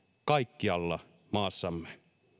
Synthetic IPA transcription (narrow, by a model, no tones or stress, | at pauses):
kɑikːiɑlːɑ | mɑːsːɑmːe